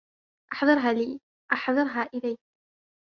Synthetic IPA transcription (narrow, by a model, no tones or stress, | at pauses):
ʔɑħðˤɨɾˤɦaːliː | ʔɑħðˤɨɾˤɦaːʔɪlaj